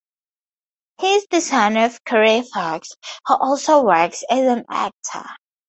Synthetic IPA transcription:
hɪzdɪsãɪ̃nəv̥kʰəɹefakshəʔɔlˠsoʊwɜˑ˞ksɨzə̃næ̰k̚tʰə̰

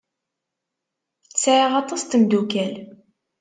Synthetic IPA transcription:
t͡sːʕiʁɑt̪ˤɑst̪əmd̪ukæl

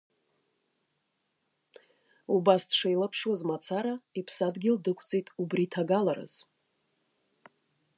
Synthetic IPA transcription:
ubasdʰʂajlapʰʂwazmat͡sʰaɾaipʰsadɡʲɪldɨkʷʰt͡sʼejtʼubritʰaɡalaɾɨ̰z̥

